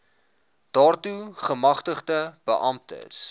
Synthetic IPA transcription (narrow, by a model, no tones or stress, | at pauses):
d̥ɑːrtuχəmɐχtəχdəb̥ə̰ʔɐmtə̰s